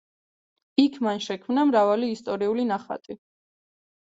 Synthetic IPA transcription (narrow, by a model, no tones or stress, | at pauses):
ikʰmanʃɛkʰmnamɾavaliːst̪ʼɔɾiulinaχa̰t̪ʼi